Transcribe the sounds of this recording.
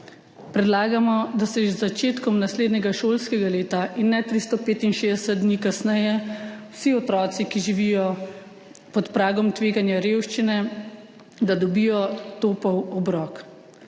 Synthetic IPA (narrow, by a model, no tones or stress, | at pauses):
pɾɛd̪laːɡamɔd̪asɛʒzat͡ʃeːt̪kɔmnasleːd̪nɛɡaʃoːlskɛɡaleːt̪aʔinːɛt̪ɾist̪ɔpeːt̪inʃeːd̪ɛsɛt̪̚d̪niːkasnɛjɛwsiɔt̪ɾɔːt̪sikiʒiʋijɔ | pɔt̪pɾaːɡɔmt̪ʋeːɡanjaɾewʃt͡ʃinɛ | d̪ad̪ɔbijɔt̪oːpɔwɔbɾɔːk